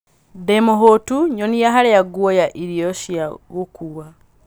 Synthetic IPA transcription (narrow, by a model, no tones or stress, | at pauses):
demoɦotuɲonijaɦaɾejaɡwojaʔiɾioʃiaβukʰuwa